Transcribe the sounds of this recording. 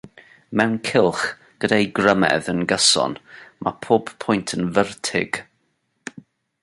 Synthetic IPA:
mɛwnkʰɪlˠχ | ɡ̥ədajɡrəmɛ̰ðənɡəsɔ̰nmʔa̰pʰoːb̥pʰɔjntʰənvərtʰɪ̰ɡ̥

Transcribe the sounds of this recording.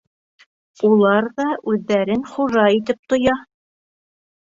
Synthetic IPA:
ulˠɑɾðɑʔʉðːæɾɘnχuʒɑit̪ɘp̚t̪ŏjɑ

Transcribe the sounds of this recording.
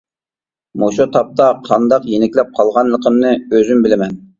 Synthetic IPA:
moʃut̪ʰɑp̚t̪ɑqʰɑnd̪ɑqjenɪkʲlɛp̚qʰɑlˠʁɑnlˠəqʰəmnɨøzymbɪlɪmɛn

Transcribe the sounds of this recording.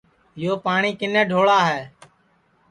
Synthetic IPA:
ɪjoːpaːɳiːkɪnẽːɖʱoːɭaːɦɛː

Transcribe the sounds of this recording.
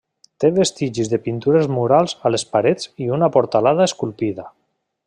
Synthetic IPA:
t̪eβest̪iʒizðepint̪uɾezmuɾalˠzalespaɾed͡ziunapoɾt̪alað̞aeskulˠpiða

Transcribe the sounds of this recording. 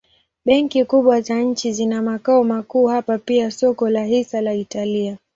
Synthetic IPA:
ɓɛŋkikuɓwazaɲ̩t͡ʃizinamakaɔmakuːhapapiasɔkɔlahisalaitalia

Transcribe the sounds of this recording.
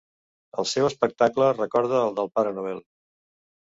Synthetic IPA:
əlˠsewəspək̚t̪aklərəkɔɾðəːlˠd̪əlˠpaɾənuβ̞ɛlˠ

